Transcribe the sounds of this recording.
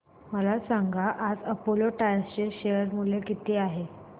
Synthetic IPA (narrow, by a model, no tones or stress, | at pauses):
məlasaŋɡaʔad͡zəpoloʈajst͡ɕeɕejəɾmulekit̪iːaɦe